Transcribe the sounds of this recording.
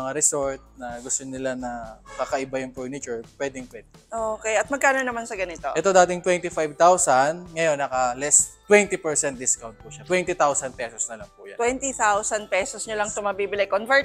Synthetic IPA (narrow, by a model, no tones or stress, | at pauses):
ɐŋaɾɛsoɹt̪̚nɐɡʊst̪onɪlanɐkakɐʔɪbajʊŋpuɹnɪt͡ʃʊɹpwɛːd̪ɪŋpwɛd̪ɪʔoːkɛjʔɐt̪̚mɐɡ̚kaːnonɐmansɐɡɐnɪt̪o̞ʔɛt̪o̞d̪aːt̪ɪŋt̪wɛnt̪ɪfajb̚t̪awsɐnŋɐjo̞nːɐkɐlɛst̪wɛnt̪ipɛɹsɛnt̪̚d̪ɪskawn̚puʃat̪wɛnt̪ɪt̪awsɐn̚pɛsosnɐlɐŋpuːja̰wɛnt̪it̪awsɐnd̪̚pɛːsosɲolɐŋt̪ʊmɐbiːbɪlɛjkonvɛɹt̪